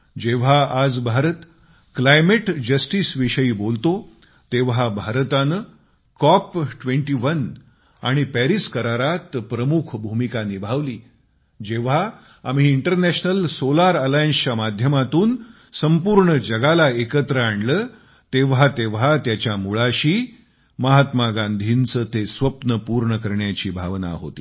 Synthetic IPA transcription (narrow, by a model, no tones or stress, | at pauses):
d͡ʑeʋ̤aad͡zbʱaɾət̪ | klajmeʈd͡ʑəsʈiːsʋiɕəiːbolt̪o | t̪eʋabʱaɾt̪anə | kɔpʈʋeɳʈiːʋən | aɽ̃ipæɾiskəɾaɾat̪pɾəmukʰbʱumikanibʱaʋliː | d͡ʑeʋ̤a | am̤iːɳʈəɾnæɕnəlsolaɾəlajənsamad̪ʱjəmat̪uːn | səmpuɾɳəd͡ʑəɡalaekət̪ɾəaɳləː | t̪eʋat̪eʋɦat̪jat͡ɕjamuɭaɕiː | məɦat̪maɡãnd̪ʱiːnt͡sət̪esʋəpnəpuɾɳəkəɾɳjat͡ɕiːbʱaʋna̰ɦo̰t̪i̥ː